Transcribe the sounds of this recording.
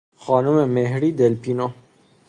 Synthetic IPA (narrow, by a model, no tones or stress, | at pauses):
xɑːnʊmemeɦɾiːd̪elpino